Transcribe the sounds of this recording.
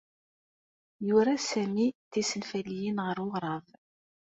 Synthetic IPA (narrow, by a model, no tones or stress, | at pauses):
jʊɾasæmiθisənfælːijinʁəɾʊʁɾˤɑð